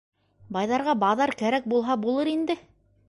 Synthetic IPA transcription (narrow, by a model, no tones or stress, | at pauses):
bɑjðɑɾʁɑbɑðɑɾkæɾæk̚bulˠɦɑbulˠɤɾind̪ɘ